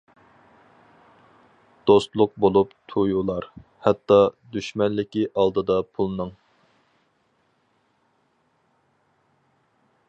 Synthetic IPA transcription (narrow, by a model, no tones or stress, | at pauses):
d̪̥ost̪lˠʊq̚bolˠupt̪ʰujulˠɑɾ | hɛt̪ːɑd̪yʃmɛnlɪkʲiʔɑlˠd̪ɨd̪ɑpʰulˠnɨŋ